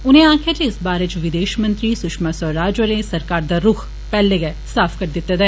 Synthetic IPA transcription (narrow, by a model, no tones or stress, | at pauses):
ʊnẽãːkʰjat̪eɪsbaːɾet͡ʃʋɪd̪eːʃmɐ̃nt̪ɾiːsʊʃmasɔɾaːd͡ʒʋəɾẽsɐɾkaːɾd̪aːɾʊːkʰ | pɛːleɡɐ | saːpʰkɐɾd̪ɪt̪ːed̪ɛː